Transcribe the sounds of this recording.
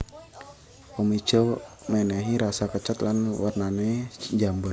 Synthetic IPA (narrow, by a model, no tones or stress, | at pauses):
ɔmit͡ʃəwmɛnɛɦiɾasakət͡ʃat̪lanwarnanɛd͡ʒambər